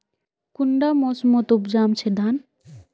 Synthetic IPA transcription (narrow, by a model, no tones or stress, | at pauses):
kuɳɖamosmɔt̪upd͡ʒamt͡ɕʰed̪an